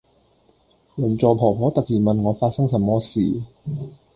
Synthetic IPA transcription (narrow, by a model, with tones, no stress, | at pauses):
u˨˩˦nt͡ɕɔː˧pʰɔː˨˩pʰɔː˧˦˥t̪a˨˩kʰiː˨˩ma˧nŋɔ˨˧˦faː˦˥sa˥˨ŋsa˧˦mːɔː˧˩siː˨˩˦